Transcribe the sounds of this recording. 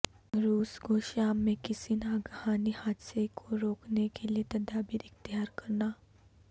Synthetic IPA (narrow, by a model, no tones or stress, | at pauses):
ɾuːsɡʱoːʃaːmːẽkɪsinaːɡhaːnihaːd̪sekʰoɾoːknekeliet̪ɐd̪aːbiɾɪxt̪ɪɦaːɾkɐɾnaː